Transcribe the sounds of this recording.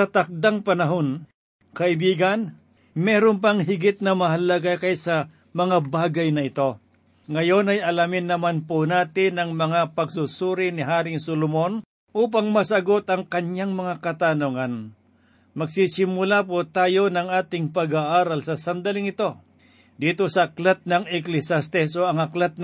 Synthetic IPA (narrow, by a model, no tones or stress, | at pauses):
sɐt̪ɐk̚d̪aŋpɐnɐɦo̞n | kɐʔɪbiːɡɐn | mɛːɾomp̬ɐŋɦɪɡɪt̪̚nɐmɐɦɐlɐɡakɐjsɐ | mɐŋabaːɡɐjnɐɪt̪o̞ | ŋɐjo̞nɐjɐlamɪnːɐmanponaːt̪ɪnɐŋmɐŋapɐɡsusuːɾɪnɪɦaːɾɪŋsolʊmo̞n | ʔuːp̬ɐŋmɐsɐɡo̞t̪ɐŋkɐɲaŋmɐŋakɐt̪anoŋan | mɐɡsisɪmʊlap̬ot̪aːjo̞nɐŋaːt̪ɪŋpɐɡaʔaːɾɐlsɐsɐnd̪ɐlɪŋɪt̪o̞ | d̪iːt̪o̞sɐɐklat̪̚nɐŋɛklɪsast̪ɛsoɐŋɐklat̪̚n